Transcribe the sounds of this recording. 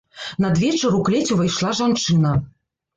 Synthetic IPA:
nɐd̪vʲɛt͡ʂɐɾuklʲɛt͡sʲuvɐjʂlˠaʐant͡ʂɨnɐ

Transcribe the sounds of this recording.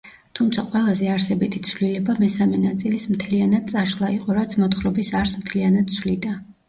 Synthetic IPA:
t̪ʰumt̪sʰaqʼwɛlˠazɛaɾsɛbit̪ʰi̥t̪sʰvlilɛbamɛsamɛnat̪sʼilismt̪ʰlianad̪̥̚tsʼaʃlˠaiqʼɔɾat̪sʰmɔt̪χɾɔbisaɾsmt̪ʰlianad̪̥̚t̪sʰwlid̪a

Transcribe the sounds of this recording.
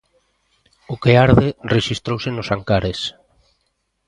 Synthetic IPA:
ʊkeaɾðereʃist̪ɾowsenʊsaŋkaɾes

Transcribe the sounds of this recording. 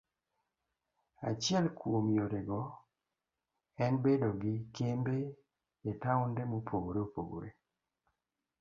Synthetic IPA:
a̰t͡ʃɪɛlkwomjoɾeɡɔ | ɛnbedoɡɪkembeː | taʊndɛmopʰoɡoɾeopo̰ɡo̰ɾe

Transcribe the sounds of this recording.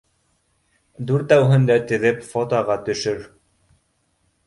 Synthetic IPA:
d̪uɾt̪æwɦɘ̆nd̪æt̪ɘ̆ðɘpfot̪ɑʁɑt̪ɵ̆ʃɵɾ

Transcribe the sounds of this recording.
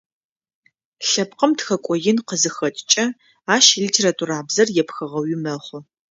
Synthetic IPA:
ɬɐp̚qɐmtxɐkʷʼɔjɪnqəzɨxɐtʼt͡ʃʼɐ | aːʃlitʰeːɾaːtʰuɾaːbzɐrjɛpxɐʁɐwɪmɐχʷʊ

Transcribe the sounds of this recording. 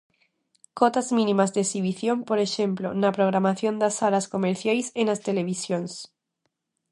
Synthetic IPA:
kot̪azmĩnĩmazðesiβiθjo̞mpo̞ɾeʃemplonapɾoɣ̞ɾamaθjo̞nd̪asaɾasko̞meɾθjajsenast̪ele̞β̞isjons

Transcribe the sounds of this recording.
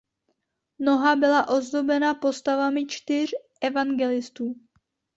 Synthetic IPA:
no̞ɦabɪlaʔo̞zd̪o̞bɛnapo̞st̪avamɪt͡ʃt̪ɪr̝ʔɛvaŋɡɛlɪst̪uː

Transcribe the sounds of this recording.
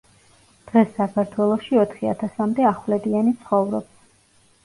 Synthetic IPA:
d̪̥ʁɛsːakʰaɾt̪ʰwɛlˠɔʃiɔt̪ʰχia̰t̪ʰasamd̪ɛaχwlɛd̪ianit̪sʰχɔvɾɔ̰b

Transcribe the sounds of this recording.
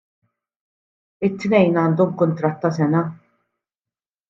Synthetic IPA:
ɪt̪ːnɛjnɐːnd̪ɔmkʊnt̪ɾɐt̪ːɐsɛnɐ

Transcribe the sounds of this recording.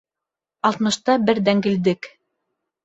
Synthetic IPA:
ɑlˠt̪mɤ̆ʃt̪ɑbɘɾd̪æŋɡɘ̆ld̪ɘk

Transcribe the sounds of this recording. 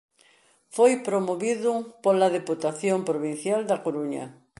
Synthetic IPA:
fojpɾomoβiðʊpolaðeput̪aθjompɾoβĩn̟θjald̪ɐkoɾuɲɐ̰

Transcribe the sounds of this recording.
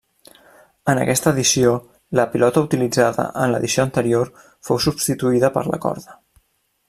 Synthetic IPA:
ənə̰kɛst̪əːðisio | ləpilɔt̪əut̪ilid͡zaðə̰ʔənlə̰ðisioənt̪əɾioɾ | fowsubst̪it̪uiðəpə̰ɾlə̰kɔ̰ɾðə

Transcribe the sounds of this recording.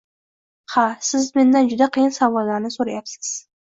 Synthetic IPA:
hasɪzme̞nd̪and͡ʒʊd̪aqʰɨjɪnsavɒlːaɾnɪsoɾajapsɪ̥z̥

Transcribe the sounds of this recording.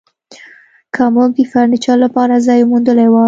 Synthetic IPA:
kʰamokifaɾɳit͡ʃɑlapɑɾazɑjmund̪əlawa

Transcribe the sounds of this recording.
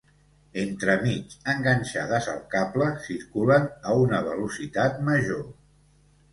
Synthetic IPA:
ent̪ɾəmit͡ʃəŋɡənʲʃaðəzə̰lˠkapləsiɾkulənəunəβəlusit̪at̪məʒo

